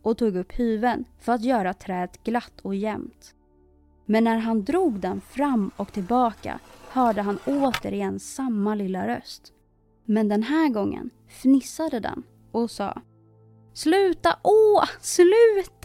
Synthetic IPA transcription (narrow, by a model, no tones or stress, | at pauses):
ʔɔt̪uːɡɵpːhʉ̟ːvənfœɾat̪jœːɾat̪ʰɾɛːt̪ɡlat̪ːɔjɛmt̪ | mɛnːæɾɦand̪ɾuːɡd̪ɛnfɾamːɔkt̪ʰɪlbɑːka̰hœːɖəɦanoːt̪əɾɪjɛnːsamːalɪlːaɾœ̰st̪ | mɛnd̪ɛnɦæːɡɔŋːə̰n | fnɪsad̪əd̪ɛ̰n | ɔsɑ̰ː | slʉ̟ːt̪aʔoːslʉ̟ːt̪